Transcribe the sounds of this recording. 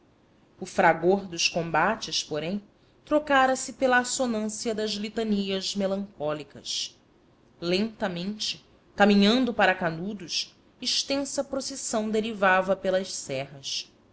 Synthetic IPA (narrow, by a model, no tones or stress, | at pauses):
ʊfɾaɡoɾd̪ʊʃkõmbat͡ʃɪspoɾẽj̃ | t̪ɾokaɾɐsɪpelɐːsonɐ̃siɐd̪ɐzlit̪ɐniɐzmelɐ̃ŋkɔlikɐ̰s | lẽnt̪ɐmẽnt͡ʃɪ | kamĩɲɐ̃nd̪ʊpaɾɐkanud̪ʊʃ | iʃt̪ẽsɐpɾosesɐ̃w̃d̪eɾivavɐpelɐʃsɛɦɐs